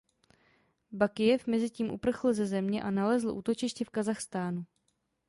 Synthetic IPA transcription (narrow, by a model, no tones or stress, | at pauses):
bakɪjɛfmɛzɪciːmʔṵpr̩xl̩zɛzɛmɲɛʔanalɛzl̩ʔṵːt̪o̞t͡ʃɪʃcɛfkazaxst̪aːnu